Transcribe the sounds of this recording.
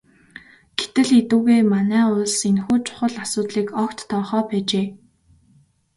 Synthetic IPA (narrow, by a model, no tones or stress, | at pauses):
ɡ̥e̥t̪ɘ̆ɮet̪ŭːɣeːmanæːʊɮsenxuːt͡ɕʰʊ̥χə̆ɮasʊːt̪ɮiːkɔkt̪ːʰɔːχɔːpæːt͡ɕeː